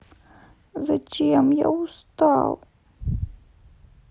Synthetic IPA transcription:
zat͡ʃijamja̰wstʰʼaw

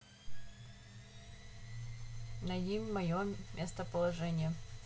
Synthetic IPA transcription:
nɐjimʲmɐjomʲʔest̪əpəlˠɐʐɛnʲɪjə

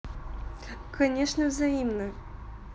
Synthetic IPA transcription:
kɐnʲeʂnəvzɐimnə

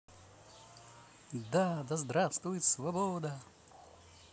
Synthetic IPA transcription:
d̪ad̪ɐzd̪ɾast̪vʊjɪt̪svɐbod̪ɐ

